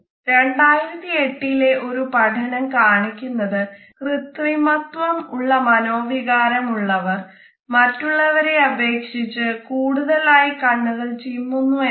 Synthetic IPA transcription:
ɾe̞ɳɖaːjiɾɐt̪ːie̞ʈːile̞ʔo̞ɾupɐʈʰɐɳɐmkaːɳikʲːunːɐðɨ | krɨt̪rimɐt̪ʋɐmuɭːɐmɐno̞ːʋiɣaːɾɐmuɭːɐʋɐr | mɐtːuɭːɐʋɐɾe̞ɐbʱe̞ːkʂit͡ɕːɨkuːɽuðɐlaːjɐkɐɳːɐɣɐɭt͡ɕimːunːue

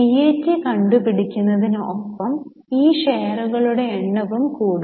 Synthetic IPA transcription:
ijeːtːɨkɐɳɖupiɽikʲːunːɐðinopːɐm | iːʂeːruɣɐɭuɽe̞ːɳːɐʋumkuːɽ

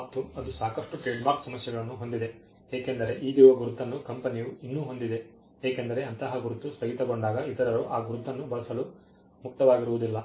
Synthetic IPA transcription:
p̚t̪ːuɐd̪usaːkɐʂʈuʈeːɖmaːɾksɐmɐsjɐɡɐɭɐnːuɦo̞nd̪id̪e̞ | eːkend̪ɐɾe̞ʔiːd̪iːʋɐɡuɾud̪ʱːɐnːukɐmpɐnijuinːuːɦo̞nd̪id̪e̞ | eːkend̪ɐɾe̞ɐnt̪ɐɦɐɡuɾud̪ːust̪ɐɦit̪ɐɡo̞ɳɖaːɡɐid̪ɐɾɐɾoʔaːɡuɾud̪ʱːɐnːubɐɭɐsɐlu | muk̚t̪ɐʋaːɡiɾuʋud̪ilːɐ

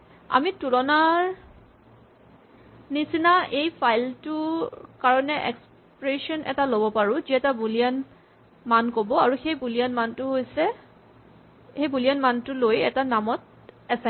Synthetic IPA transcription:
a̰mitulɔnaɹ | nisinaʔejpʰajltʊkaɹɔnɛʔɛ̰ks | pɹesɔnʔɛ̰talobɔpaɹʊ̃ziɛtabulian | mankobɔaɹuxejbulijanmantʊɦojsɛ | xejbulianmantʊlojɛtanamɔt̚ | ɛsa

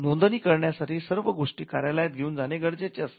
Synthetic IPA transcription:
nond̪əniːkəɾɳjasaʈʰiːsəɾʋəɡoʂʈiːkaɾjalajt̪̚ɡʱeuːnd͡zaneɡəɽd͡zet͡ɕeast̪

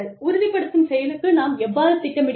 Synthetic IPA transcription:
ɭʊɾʊðɪpːɐɽɯt̪ːɯmsɛjɐlɯkːɯnaːmɛʋːaːɾɯt̪ːɪʈːɐmɪɽ

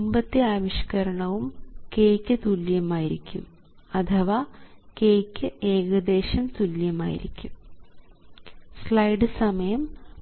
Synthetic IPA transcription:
umbɐt̪ːiaːʋiɕɐ̥kɐɾɐɳɐʋumkeːkʲːɨt̪uljɐmaːjiɾikʲːum | ɐt̪ʰɐʋaːkeːkʲːɨeːɣɐd̪e̞ːɕɐmt̪uljɐma̰ːjḭɾḭkʲːum | slɐjɖɨsɐmɐjɐm

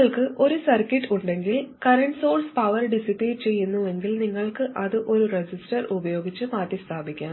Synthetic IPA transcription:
ɐɭkɨʔo̞ɾusɐrkiʈːuɳɖe̞ŋɡilkɐɾɐɳɖsoːrspɐʋɐrɖisipːeːʈ̚t͡ɕe̞jːunːue̞ŋɡilniŋːɐɭkɨʔɐðɨʔo̞ɾured͡ʑisʈɐrubɐjo̞ːɡit͡ɕːɨmaːtːist̪ʰaːbʱikʲːaː

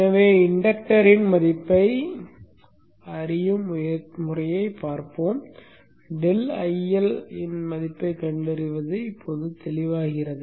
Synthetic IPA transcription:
ɐʋeːɪɳɖɐk̚ʈɐɾɪnmɐðɪpːɐɪ | ɐɾɪjɯmjɐmʊrɐjɐɪpːaːɾpoːm | ɖɪlɐjɛlɪnmɐðɪpːɐɪkɐɳɖɐɾɯʋɐðɯɪpʰːoːðɯt̪ɛlɪʋaːɣɪrɐðɯ

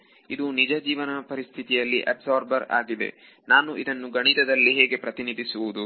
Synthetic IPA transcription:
id̪unid͡ʒɐd͡ʒiːʋɐnɐpɐɾist̪ʰit̪ijɐlːḭʔɐ̰ɖzoːɾbɐɾa̰ːɡid̪e̞̰ | naːnuʔid̪ɐnːuɡɐɳ̃id̪ɐd̪ɐlːiɦɛːɡe̞pɾɐt̪inid̪ʱisuʋud̪u

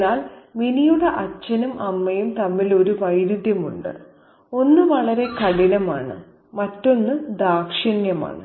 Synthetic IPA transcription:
naːlminijuɽeʔɐt͡ɕːɐnumʔɐmːɐjumt̪ɐmːilo̞ɾuʋɐjɾud̪ʱjɐmuɳɖɨ̰ | o̞nːɨʋɐɭɐɾe̞kɐɽinɐmaːɳɨ̰ | mɐtːo̞nːɨd̪aːkʂɐnjɐma̰ːɳɨ̰

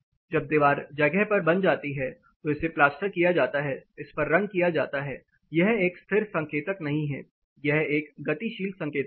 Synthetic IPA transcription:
d͡ʒɐb̚d̪ɪʋaːɾd͡ʒɐɡɛɦpɐɾbɐnd͡ʒaːt̪iɦɛ | t̪oɪseplaːsʈəɾkijad͡ʒaːt̪aɦɛɪspɐɾːɐ̃ŋɡ̚kijad͡ʒaːt̪aɦɛː | jɛɦeːkst̪ʰɪɾsɐ̃ŋkeːt̪əknɐɦĩɦɛ̰ː | jɛɦeːkɡɐt̪iʃiːld̪sɐ̃ŋkeːt̪k

